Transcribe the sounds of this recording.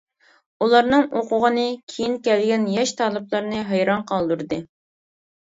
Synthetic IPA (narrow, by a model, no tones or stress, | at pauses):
ulˠɑɾnɨŋoqʰʊʁənɨkʲʰejinkʲɛlɡʲɛnjɛʃt̪ʰɑːlˠɨplˠɑɾnɨɦɑjɾɑnqʰɑlˠd̪uɾd̪ɨ